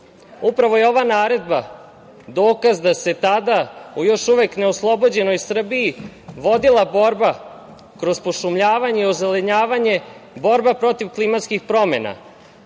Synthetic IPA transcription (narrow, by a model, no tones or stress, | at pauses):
upɾaʋo̞je̞o̞ʋanaːɾe̞d̪ba | d̪o̞ːkazd̪ase̞t̪ad̪aujoʃuʋekneoslˠo̞bo̞d͡ʑe̞no̞jsr̩biːʋo̞d̪ilˠabo̞ɾba | kɾo̞zpoʃumʎaːʋaɲe̞iozeleɲaːʋaɲe̞bo̞ɾbapɾo̞t̪iʋklˠimat̪skixpɾo̞me̞na̰